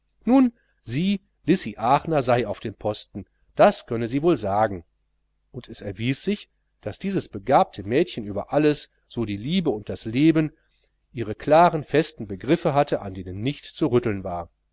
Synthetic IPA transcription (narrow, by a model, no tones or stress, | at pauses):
nuːn | ziː | lɪsiʔaːχnɐzaɪaʊfd̥eːnpʰɔstn̩ | d̥askʰœnəziːvoːlzaːɡŋ̩ | ʔʊntʰɛsɛɐviːsz̥ɪç | d̥asd̥iːzəsb̥əɡaːp̚tʰəmɛːtçənyːbɐʔaləs | z̥oːdiːliːbəʊnt̚d̥asleːbən | ʔiːʁəkl̥aːʁənfɛstn̩bəɡʁɪfəɦatəʔa̰ndeːnənːɪçtt͡suʁʏtl̩nva̰ːɐ